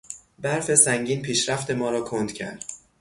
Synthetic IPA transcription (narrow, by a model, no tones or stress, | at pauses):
bæɾfe̞sæŋɟiːnpʰiːʃɾæft̪e̞mɒːɾɒːkʰond̪̥cʰæ̰ɾd̪̥